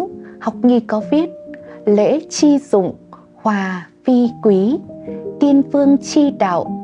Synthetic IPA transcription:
ha˨˩wk͡p̚ŋi˧kɔ˨˦vi˦˥ət̚lḛ˧˥t͡ɕi˧zʊ̰˧˨ŋ͡m | hwaː˨˩fi˧kwi˨˦t̪i˧ənvɨ˧əŋt͡ɕi˧ɗa̰ː˧˨w

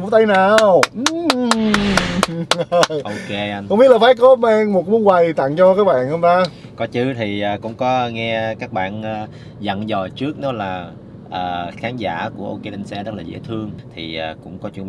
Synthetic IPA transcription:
mo˨˩t̚t̪a˧jnaː˨˩wʔ | ʔo˧ke˧a˧n˧ŋ͡mɓi˦˥lːfaː˨˦jkɔ˨˦ma˧ŋmo˨˩t̚mu˨˦ənwa˨˩jt̪a̰˧˨ŋt͡ɕɔ˧kaː˨˦jɓa̰ː˧˨nhə˧mt̪aː˧ | kɔ˨˦t͡ɕɨ˨˦t̪ʰi˨˩ʔːkʊ̰˧˥ŋ͡mkɔ˨˦ŋɛ˧kaː˦˥k̚ɓa̰ː˧˨nəː˧˩ | zə̰˧˨nzɔ˨˩t͡ɕɨ˦˥ək̚nɔ˨˦laː˨˩ | ʔəː˨˩xaː˨˦nza̰ː˧˥ku˧˩əʔo˧wke˧lɛ˧nsɛ˧zə˦˥t̚laː˨˩zḛ˧˥˦t̪ʰɨ˧əŋt̪ʰi˨˩ʔəː˨˩kʊ̰˧˥ŋ͡mkɔ˨˦t͡ɕu˧˦

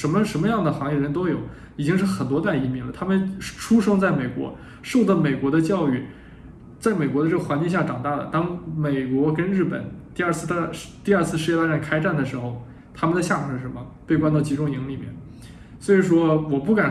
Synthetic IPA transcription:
ʂə˧˥nmə˧ʂə˧˥nmə˧jɑ˥˩ŋd̪ə˩xɑ˧˥ŋjɛ˥˩˧ɻə˧˥nt̪o˥ʊjo˨˩˦ʊ | i˨˩t͡ɕi˥ŋʂ̬ɻ̩˥˩xə˨˩nt̪̬wɔ˥t̪a˥˩i˧˥mi˧˥lə˨t̪ʰa˥mə˨nʈ͡ʂʰu˥ʂɤ˥ŋt͡sa˥˩ɪme˨˩ɪkwɔ̰˧˥ | ʂo˥˧ʊd̪ɑ˥˩me˨˩ɪkwɔ˧˥d̪ə˧t͡ɕjɑ˥˧ʊy˥˩ | t͡sa˥˩ɪme˨˩ɪkwɔ˧˥d̪ə˧ʈ͡ʂɤ˥˩ɡə˩xwa˧˥nt͡ɕi˥˧ŋɕja˥˩ʈ͡ʂɑ˨˩ŋt̪a˥˩lə̰˩t̪ɑ˥ŋme˨˩ɪkwɔ˧˥kə˥nɻɻ̩˥˩pə̰˨˩˦nt̪i˥˧ɐ˞˥˧t͡sʰɹ̩˥˩˥t̪i˥˧ɐ˞˥˧t͡sʰɹ̩˥˧ʂ̬ɻ̩˥˧jɛ˥˧t̪a˥˩ʈ͡ʂa˥˩nkʰa˥ɪʈ͡ʂa˥˩nd̪ə˩ʂɻ̩˧˥xo˥˧ʊ | t̪ʰa˥mə˨nd̪ə˩ɕja˥˩mu˨˩˥ʂɻ̩˥˩ə˧˥mə˧pe˥˩ɪkwa˥nt͡s̪ɑ˥˩ʊt͡ɕi˧˥ʈ͡ʂʊ˥ŋi˧˥ŋli˨˩mjɛ̰˥˩n | swɔ˧˥i˨˩ʂwɔ˥wɔ˨˩pu˥˩ka˨˩n

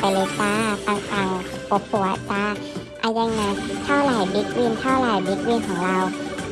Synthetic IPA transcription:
a˨jlɤː˧˦t̪aː˧˥p̪a˧˩ŋt̪a˧˩wpo˧˦p̚ʰːu˧˩˦a˧˩t̪aː˧˥ | ʔa˧˩ja˧ŋna˧˩jt̪ʰa˧˥˩wlaː˨˩jbe˦˥t̪̚wɯ˧˩˨nt̪ʰa˧˥˩laː˨˩jbe˧˦t̪̚wɯː˧˩˨nkʰɔː˨˩˦ŋla˧˩w

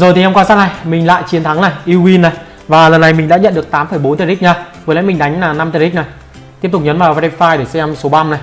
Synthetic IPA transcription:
zo˨˩t̪i˨ɛ˧mŋ͡mkwaː˧saː˦˥k̚na˨˧˩jmï˨˩ŋ̟la̰ː˧˨jt͡ɕi˨˦ənt̪ʰa˨˦ŋna˨˩ʔi˧wi˧nːa˨˩j | vaː˨˩lə˨˩nːa˨˩jmï̟˨˩ɗa̰ː˧˥ɲə̰˧˨nɗɨ˨˩ək̚t̪aː˨˦mfəː˧˩jɓo˨˦nt̪əː˨˧˩k̚ɲaː˧˩və˨˦la̰˧˥mi˨˩ŋ̟ɗa˨˦jŋ̟laː˨˩na˧mt̪əː˨˧˩i˦˥k̚na˨˩j | t̪i˦˥əp̚tʊ˨k͡p̚ɲə˨˦nvaː˨˩wvaː˧i˧faː˧jɗe˧˩sɛ˧mso˨˦ɓa˧mna˨˩j

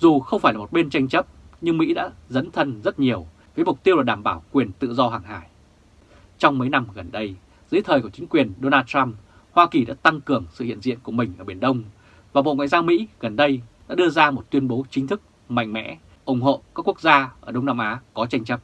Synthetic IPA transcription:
zu˨˩xə˧wŋ͡mfaː˧˩jlaː˨˩mo˨˩t̚ɓe˧nt͡ɕa˧jŋ̟t͡ɕə˦˥p̚ɲɨ˧ŋmḭ˧˥ɗa̰ː˧˥zə˨˦nt̪ʰə˧nzə˦˥t̚ɲi˨˩əw | vəː˨˦jmʊ˨˩k͡p̚t̪i˧əwlaː˨˩ɗaː˧˩mɓaː˧˩wkwi˨˩ənt̪ɨ̰˧˨zɔ˧ɦaː˨˩ŋɦaː˧˩j | t͡ɕɔ˧wŋ͡mməː˨˦jna˧mɣə˨˩nɗə˧j | zɨ̰˧˥t̪ʰəː˨˩ku˧˩t͡ɕï˨˦ŋ̟kwi˨˩ənɗo˧naː˧ttt͡ɕa˧m | hwaː˧ki˨˩ɗa̰ː˧˥t̪a˧ŋkɨ˨˩əŋsɨ̰˧˨hḭ˧˨ənzḭ˧˨ənku˧˩əmï˨˩ŋ̟ʔəː˧˩ɓe˧˩ənɗə˧wŋ͡m | vaː˨˩ɓo̰˧˨ŋwa̰ː˧˨jzaː˧wmḭ˧˥ɣə˨˩nɗə˧jɗa̰ː˧˥ɗɨ˧əzaː˧mo˨˩t̚t̪wi˧ənɓo˨˦t͡ɕï̟˨˦t̪ʰɨ˦˥k̚ | ma̰˧˨jŋ̟mɛ̰˧˥ | ʔʊ˨˩ŋ͡mɦo̰˧˨kaː˦˥kːu˦˥ək̚zaː˧ʔəː˧˩ɗə˧wŋ͡mnaː˧mʔaː˨˦kɔ˨˦t͡ɕa˧jŋ̟t͡ɕə˦˥p̚

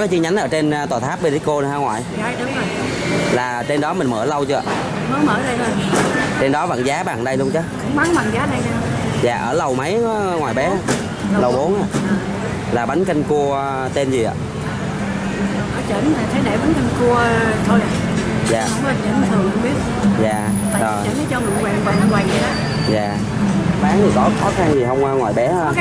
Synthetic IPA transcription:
kɔ˨˦jt͡ɕi˧əɲa˨˦nʔəː˧˩t͡ɕe˧n˧t̪waː˨˩t̪ʰaː˦˥p̚ɓə˧˩ɗə˨˦ko˧ɗhaː˧ŋwaː˨˩j | a˧jɗʊ˨˦ŋ͡mzo˨˩j | laː˨˩t͡ɕe˧nɗɔ˨˦mï˨˩mə̰ː˧˩lə˧wt͡ɕɨ˧ə˧˨ | mə˨˦məː˧˩zə˧jzə˨˧˩t͡ɕe˧nɗɔ˨˦və̰˧˨nzaː˨˦ɓa̰ː˧˨nɗə˧jlu˧ənt͡ɕɔ˨˦kʊ̰˧˥ŋ͡mma˨˦ŋma̰˧˨ŋzaː˨˦ɗə˧jɗa˧ | za̰ː˧˨ʔəː˧˩lə˨˩wmə˨˦jŋwaː˨˩jɓɛ˨˦a˧ | llə˨˩wɓo˨˦nʔa̰ː˧˨˩ | laː˨˩ɓa˨˦ŋ̟kï˧ŋku˧ə | t̪e˧nzi˨˩a̰ː˨˩˨ | ʔɔ˨˦t͡ɕə˧˥na˨˩t̪ʰə˨˦jɗe˧˩ɓa˨˦nki˧ŋku˧ət̪ʰo˧jʔa˨˩˧ | za̰ː˨˧wŋ͡mɔ˦lt͡ɕə˧˥nma˨˩t̪ʰə˨˩˨kŋ͡mɓi˦˥ət̚ | za̰ː˧˨˩ | aː˧zo˨˩jt͡ɕə˧˨˦nə˨˦jt͡ɕɔ˧ṵ˧˨kwa̰ː˨˩ŋwaː˨˩ŋ˨˩wa˨˩ŋə˨˦aː˧˨˩ | za̰ː˨˩ | ɓaː˨˦nt̪ʰi˨˩kɔ˨˦xɔ˨˦xa˧nzi˨˩ɦə˧wŋ͡mwaː˧ŋwa̰ː˨˩jɓɛ˨˦ə˧

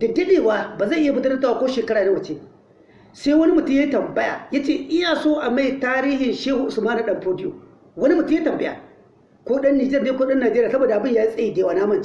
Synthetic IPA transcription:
dɐ˨dɐ˦ɗeː˨waː˨baː˨zɐ˦˨ʔɪ˦ja˨bʊ˨tɐ˦nɐ˦tːaː˨wa˦kʷoː˦ʃeː˨kɐ˦ɽaː˨ne˦wɐ˨t͡ʃeː˦ | sa˦jwɐ˦ni˦mʊ˨tʊ˦mja˦tɐ˨mbɐ˦ja̰˨jaː˦t͡ʃeː˦˨ʔɪ˦ja˨soː˦ʔa˨ma˦˨jtaː˦ɾiː˦hɪ˨nʃeː˦hʊ˨ʔʊ˨smaː˦na˨ɗɐ˨mpoː˦dɪ˦jo̰ː˨ | wɐ˦ni˦mʊ˨tʊ˦jtɐ˨mbɐ˦ja̰˨ | kʷoː˦ɗɐ˦nːi˨d͡ʒɛ˦rneː˦kʷoː˦ɗɐ˦nːaː˨d͡ʒeː˦ɾi˦˨sɐ˦boː˨da˨a˨bɪ˦˨jaː˦ji˦sʼɐ˦jiː˦deː˨waː˨naː˦mɐ˦˨nt͡ʃ

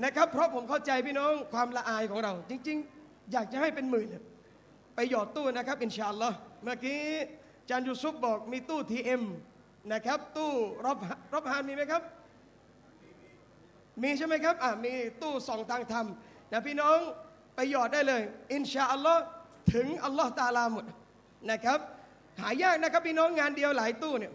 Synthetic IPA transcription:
na˦˥kʰa˦˥pʰːɾɔ˦˥pʰo˩˦mkʰa˥˩wt͡ɕa˧jpʰiː˥˩nɔː˦˥˩ŋkʰwaː˧mla˧ʔaː˧jkʰɔː˩˦ŋɾa˧wt͡ɕi˧ŋt͡ɕi˧ŋ | jaː˨˩k̚t͡ɕa˨˩ha˥˩jpe˧nmɯː˨˩ni˧˩ | pa˧jːɔː˨˩t̪ːuː˥˩na˦˥kʰa˦˥p̚ʔi˨˧nt͡ɕaː˧ʔa˧lːɔː˦˥mɯ˥˩kiː˦˥ | t͡ɕaː˧njuː˧sʰuː˦˥p̚bɔː˨˩k̚miː˧t̪uː˥˩t̪ʰiː˧ʔe˧m | na˦˥kʰa˦˥p̚t̪uː˥˩ɾa˦˥p̚ɦa˧˥ɾa˦˥p̚ɦaː˦˥nmiː˧ma˥jkʰa˦˥p̚ | miː˧t͡ɕʰa˥˩jma˦˥jkʰa˦˥p̚ʔa˨˩miː˧t̪uː˥˩sɔː˨˩˦ŋt̪ʰaː˧ŋt̪ʰa˧m | na˦˥˩pʰiː˥˩nɔː˦˥ŋ | pa˧jːɔː˨˩t̪̚daː˥˩jlɤː˧jʔi˧nɕaː˧ʔa˧lːɔ˦˥˩ | t̪ʰɯ˨˩˦ŋʔa˧lːɔ˦˥t̪aː˧laː˧mo˨˩t̪̚ | na˦˥kʰa˦˥p̚ | haː˩˦jaː˥˩k̚na˦˥kʰa˦˥p̚ʰːiː˥˩nɔː˦˥ŋːaː˧ndi˧əwlaː˩˦jt̪uː˥˩ni˧˥˩ɐ

